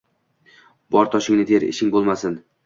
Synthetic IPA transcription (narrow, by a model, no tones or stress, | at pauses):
bɒɾt̪ʰɒʃɪŋnɪd̪ʰeɾɪ̰ʃɪŋʲbolˠmasɪn